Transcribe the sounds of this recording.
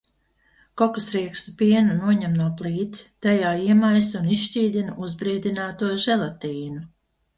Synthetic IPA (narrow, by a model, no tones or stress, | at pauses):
kɔkusɾiɛkst̪upiɛnunuɔɲɛmnuɔplˠiːt̪t̪ajaːiɛmajsunisʃciːd̪ʲinuʔuzbɾiːd̪ʲinaːt̪uɔʒɛlˠat̪iːnu